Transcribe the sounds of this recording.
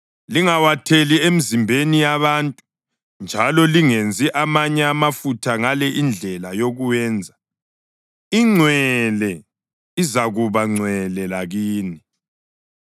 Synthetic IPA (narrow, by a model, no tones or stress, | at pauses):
liŋawatʰeliem̩zimbʱenijaβantʼu̥ | nd͡ʒʱalɔliŋend͡zʱiʔamaɲɛamafutʰaŋalɛʔind͡ɮʱɛlajoɣuwɛːnd͡zʱa | iŋ͡ǀʱwɛlɛ | izaɣuβaŋ͡ǀʱwɛlɛlaɣiːni